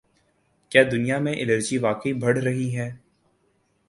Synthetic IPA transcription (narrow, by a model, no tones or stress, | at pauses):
kjaːd̪ʊnijamẽʔɪnəɾd͡ʒiʋaːkəibʱɐɽ̤ɾɐɦiɦɛː